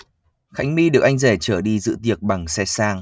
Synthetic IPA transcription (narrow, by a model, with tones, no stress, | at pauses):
xa˨˦jŋ̟mi˧ɗɨ˨˩ək̚ʔa˧jŋ̟zɛ˧˩t͡ɕəː˧˩ɗi˧zɨ̰˧˨˥t̪i˨˩ək̚ɓa˨˩ŋsɛ˧saː˧ŋ